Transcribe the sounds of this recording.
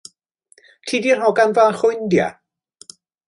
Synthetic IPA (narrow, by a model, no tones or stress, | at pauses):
tʰiːdir̥hɔɡanvanχʊjndja̰